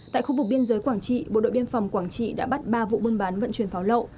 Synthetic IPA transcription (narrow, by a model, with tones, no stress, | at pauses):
t̪a̰ː˧˨xu˧vʊ˨˩k̚ɓi˧ənzəː˨˦jkwaː˧˩ŋt͡ɕḭ˧˨ɓo̰˧˨ɗo̰˧˨ɓi˧ənfa˨˩wŋ͡mkwaː˧˩ŋt͡ɕḭ˧˨ɗa̰ː˧˥ɓa˦˥t̚ɓaː˧vṵ˧˨ɓu˧nɓaː˨˦nvə̰˧˨nt͡ɕwi˨˩ənfaː˨˦wlə̰˧˨w